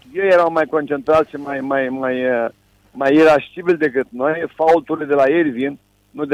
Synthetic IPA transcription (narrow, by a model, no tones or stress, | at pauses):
jejeɾaw̃majkont͡ʃent̪ɾat̪ʃimajmajmaj | majeɾaʃt̪ibilʲd̪ekɨt̪nojfault̪uɾled̪elajeɾʲvin | nud̪e